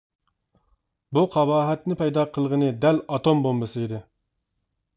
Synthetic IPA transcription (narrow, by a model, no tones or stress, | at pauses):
buqʰɑbɑːɦɛt̪nɪpɛjd̪ɑːqʰəlˠʁənɨd̪ɛlɑt̪ombombɨsɨid̪ɪ